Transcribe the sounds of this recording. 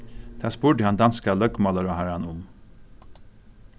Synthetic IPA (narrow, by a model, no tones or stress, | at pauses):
d̪̥æːspuːɖɪːhɑnd̪ɑnskəlœɡmɑləɾɔhæɾɑnʊm